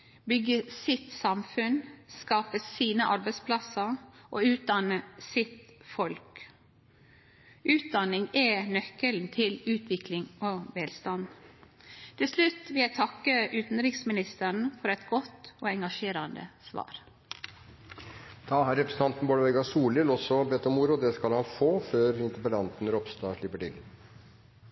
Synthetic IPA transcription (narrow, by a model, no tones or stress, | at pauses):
bʏɡːəsɪt̪sɑmfʉnskɑːpəsiːnəʔɑɾbæɪspʰlɑsəʔoːʉːt̪̚d̪ɑnəsɪt̪fɔlk | ʉːt̪̚d̪ɑnɪŋɛnœkːəln̩t̪ʰɪlʉːt̪ʰʋɪklɪŋoʋɛːlst̪ɑn | t̪ʰɪlslʉt̪ʋɪljæɪt̪ʰɑkːəʔʉːt̪n̩ɾɪksmɪnɪst̪əɳ̩fɔɾɛt̪ɡɔt̪oːɛŋɡɑʂeːɾɑnd̪ə̰sʋɑ̰ːɾ | t̪ʰɑːɦæːɾɛpɾəsn̩ɑnt̪n̩boːləʋɛɡɑsuːlɪlɔsɔbɛt̪ːɔmuːɾʊd̪ɛskɑlhɑnfoːføːɾɪnt̪əpəlɑnt̪n̩ɾɔpst̪ɑːʂɭɪpːəʈɪ̰l